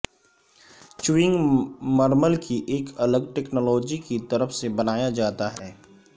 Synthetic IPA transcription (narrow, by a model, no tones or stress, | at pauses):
t͡ʃʊɪ̃ŋɡməɾməlkiʔeːkɐləɡʈɛːknoːlɔːd͡ʒikit̪ɐɾəfsebɐnaːjad͡ʒaːt̪aɦɛː